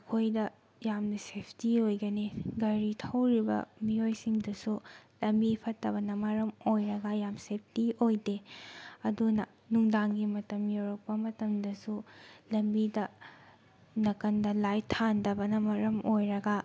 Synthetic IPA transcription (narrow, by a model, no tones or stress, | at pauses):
ɐkʰojdɐ | jamnɐsepʰtiojɡɐniɡɐɾitʰɐwɾibɐ̰mijojsiŋdɐsulɐmbipʰɐtːɐβɐnɐmɐɾɐmojɾɐɡɐjamsep̚ʰtiojdeɐdunɐ | nuŋdaŋɡimɐtɐmjoɾɐk̚pɐmɐtɐmdɐsulɐmbidɐ | nɐkɐndɐlajtʰandɐbɐnɐmɐɾɐmojɾɐɡɐ